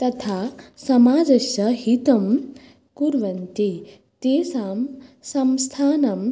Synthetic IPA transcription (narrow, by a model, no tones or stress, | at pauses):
t̪ɐt̪ʰaːsɐmaːd͡ʒɐʃɐɦit̪ɐm | kuɾʋɐnt̪i | t̪eːsaːmsɐmst̪ʰaːnɐm